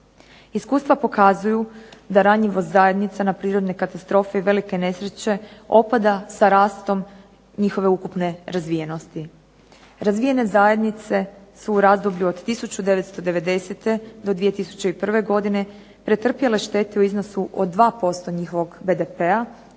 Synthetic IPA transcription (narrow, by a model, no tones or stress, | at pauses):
iskuːst̪ʋapo̞kazujud̪aɾaɲiʋoszaje̞d̪nit̪sanapɾiːɾo̞d̪ne̞kat̪ast̪ɾo̞ːfeiʋe̞like̞ne̞sɾe̞t͡ɕe̞o̞pad̪asaɾaːst̪o̞m | ɲixo̞ʋe̞ukupne̞ɾazʋijenost̪i | ɾazʋije̞ne̞zaje̞d̪nit̪se̞suːɾaːzd̪o̞bʎuod̪t̪ːisut͡ɕud̪e̞ʋe̞t̪st̪o̞d̪e̞ʋe̞d̪e̞set̪e̞d̪o̞d̪ʋije̞t̪isu̥t͡ɕe̞ipr̩ʋe̞ɡo̞d̪ine̞ | pɾe̞t̪r̩pjele̞ʃt̪e̞t̪euizno̞suʔo̰d̪ːʋaːpo̞st̪o̞ɲixo̞ʋo̞ɡbe̞d̪e̞pea